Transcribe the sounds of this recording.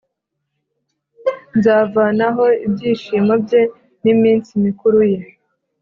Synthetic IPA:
nzaːvaːnaɦo̞ibjiːʃimabje̞ | nimiːnsimikuɾuje̞

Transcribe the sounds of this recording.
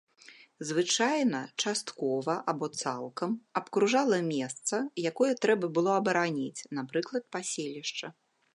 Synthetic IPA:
zvɨt͡ʂajnɐt͡ʂast̪kɔvɐʔabɔt̪salˠkɐmɐpkɾuʐalˠɐmʲɛst̪sɐjakɔjɐt̪ɾɛbɐbɨlˠɔɐbɐɾanʲit͡sʲn̪apɾɨklˠɐt̪̚pasʲelʲiʂt͡ʂɐ

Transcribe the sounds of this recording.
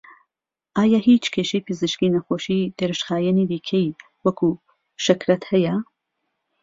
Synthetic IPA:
ʔaːjahiːt͡ʃkʰeːʃejpʰɨzɨʃkinɐxoːʃid̪̥eɾɨʃxaːjɛnid̪iːkʰej | wɐkʰu | ʃɐkɾɐt̪hɐjɐ

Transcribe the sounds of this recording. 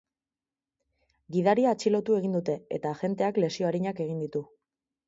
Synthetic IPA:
ɡiðaɾiaːt͡ʃilo̞t̪ue̞ɣind̪ut̪e̞e̞̰t̪aʝe̞nt̪e̞akle̞sio̞aɾiɲake̞ɣind̪it̪u

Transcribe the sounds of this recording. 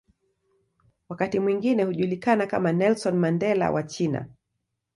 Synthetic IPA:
wakatimwiŋɡinɛhuʄulikanakamanɛlsɔnmandɛla̰wʔat͡ʃina̰

